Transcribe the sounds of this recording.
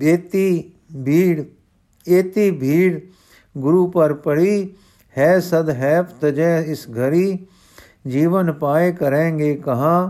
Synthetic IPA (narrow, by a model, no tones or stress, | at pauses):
et̪i | ɽ | eːt̪ibʱiːɽ | ɡʊɾuːpəɾpəɽiː | hɛːsəd̪ɦɛːpʰt̪əd͡ʒɛːɪsɡʱəɾiː | d͡ʒiːʋənpaːekəɾẽːŋɡeːkɐɦãː